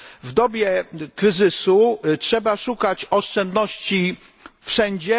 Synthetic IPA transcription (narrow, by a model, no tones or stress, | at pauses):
vd̪ɔbʲjɛkɾɘzɘsutʂɛbaʂukat͡ɕɔʂt͡ʂɛnd̪nɔɕt͡ɕi | fʂɛɲd͡ʑɛ